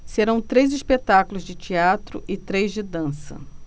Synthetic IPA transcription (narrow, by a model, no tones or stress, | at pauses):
seɾɐ̃w̃t̪ɾejzispet̪akʊlʊzd͡ʒɪt͡ʃiat̪ɾʊʔɪt̪ɾejzd͡ʒɪd̪ɐ̃sɐ̰